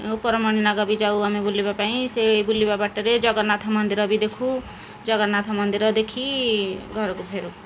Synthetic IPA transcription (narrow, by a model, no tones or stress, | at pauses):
upʌɾʌmʌɽ̃inaɡʌbid͡ʒauamebulːibapaĩsebulːibabaʈʌɾed͡ʒʌɡʌnat̪ʰamʌnd̪iɾʌbid̪ekʰu | d͡ʒʌɡʌnat̪ʰamʌnd̪iɾʌd̪ekʰiɡʱʌɾkopʰeɾu